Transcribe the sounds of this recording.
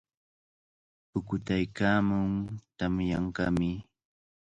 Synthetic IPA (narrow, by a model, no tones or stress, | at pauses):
pʊkʊt̪ajkaːmʊŋt̪amjaɴkɑmɪ